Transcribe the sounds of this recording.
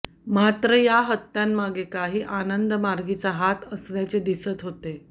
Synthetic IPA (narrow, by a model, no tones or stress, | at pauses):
mat̪ɾəjaɦət̪ːjanmaɡekaɦiːʔanənd̪əmaɾɡit͡saɦat̪əsnjat͡sed̪isət̪ɦot̪e